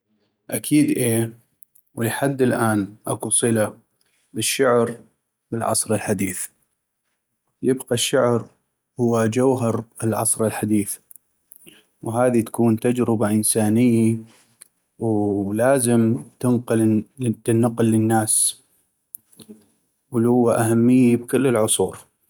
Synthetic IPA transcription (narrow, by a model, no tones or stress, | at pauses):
ʔakʰiːd̪ʔeː | wlɪħad̪ːɪlʔaːnʔakusˤɨla | bɪʃːʊʕɾ | bɪlʕɑ̰sˤɾɪlħad̪iːθ | jɪbqɑʃːʊʕɾ | hʊwːad͡ʒawɦɑɾɪlʕɑ̰sˤɾɪlħad̪iːθ | wɦaːðit̪ḁkuːnt̪ad͡ʒɾɪbaʔənsaːnɪjːa | wlaːzɪmt̪ɪnqɨlɪnːɑqlːənːaːs | wlhʊwːaʔahamːɪjːibkʊlːɪlʕʊsˤuːɾ